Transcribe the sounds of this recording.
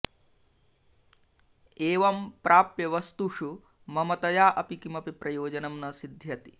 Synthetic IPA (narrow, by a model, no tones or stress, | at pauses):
eːʋɐmpɾʔaːpjɐʋɐst̪uʂu | mɐmɐt̪ɐjaːʔɐpikimɐpipɾɐjoːd͡ʒɐnɐmnɐsid̪ʱjɐt̪i̥